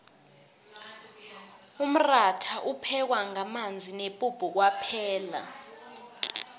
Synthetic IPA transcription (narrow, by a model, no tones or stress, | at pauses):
um̩ratʰaʔupʰɛk̬waŋamand͡zʱinepʼub̥ʱuk̬wapʰɛːla̰